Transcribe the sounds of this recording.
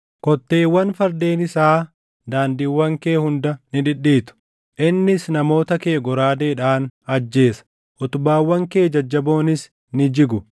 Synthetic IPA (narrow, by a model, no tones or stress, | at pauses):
kɔt̪ːe̞ːwːɐnfɐɾd̪e̞ːnɪsaː | d̪aːnd̪ɪwːɐŋke̞ːhʊnd̪ɐnɪᶑ̪ɪᶑiːt̪ʊ̥ | ʔɪnːɪsnɐmo̞ːt̪ɐke̞ːɡɔɾaːd̪e̞ːᶑaːnɐd͡ʒːe̞ːsɐ̥ | ʔɔt̪ʊbaːwːɐŋke̞ːd͡ʒɐd͡ʒːɐbo̞ːnɪs | nɪd͡ʒɪɡʊ